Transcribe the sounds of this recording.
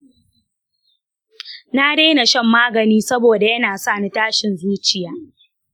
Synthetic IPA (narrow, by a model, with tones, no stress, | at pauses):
na˦deː˦na˨ʃɛ˦mːaː˦ɡɐ˨niː˦sɐ˦boː˨da˨jɐ˦naː˨sa˦˨na˦taː˦ʃɪ˨nzuː˦t͡ʃɪ˨jaː˦